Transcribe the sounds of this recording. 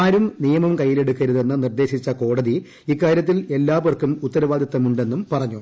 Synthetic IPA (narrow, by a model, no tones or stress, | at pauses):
aːɾumnijɐmɐmkɐjːile̞ɽukːɐɾuðe̞nːɨnird̪e̞ːɕit͡ɕːɐko̞ːɽɐði | ikːaːɾjɐt̪̬ːile̞lːaːʋɐrkumut̪ːɐɾɐʋaːd̪jɐt̪ːɐmuɳɖe̞nːumpɐrɐɲːu